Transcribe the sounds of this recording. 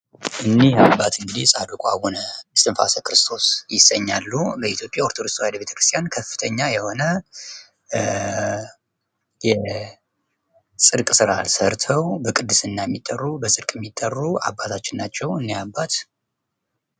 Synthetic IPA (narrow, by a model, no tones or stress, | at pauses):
ʔɨnːiabːat̪ʰɨŋɡɨd̪isʼad̪ukʼa̰wunəbɨsɨnfa̰səkɨɾɨst̪ʰo̞sjɪsəɲːalːubəit̪ʰjo̞pʼjaoɾt̪ʰod̪ɨst̪ohajd̪əbe̞t̪ə̥kʰɾɨst̪ʰʼjankʰəfːɨ̥t̪ʰəɲːajɛho̞nə | jɛ | sʼɨɾkʼsɨɾalsəɾt̪ʰəwbəkʼɨd̪ːɨsɨnːajɛmːit̪ʼːərːubəsʼɨɾkʼɛmːit̪ʼːərːua̰bːat̪ʰat͡ʃːɪnːat͡ʃːɛwɨnːihabːat̪